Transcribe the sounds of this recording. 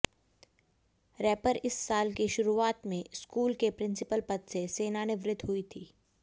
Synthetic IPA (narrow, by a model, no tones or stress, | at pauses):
ɾɛːpəɾɪsːaːlkiʃʊɾuaːt̪mẽskuːlkepɾɪ̃nsɪpəlpɐt̪seseːnaneʋɾɪd̪ʱɦʊit̪ʰiː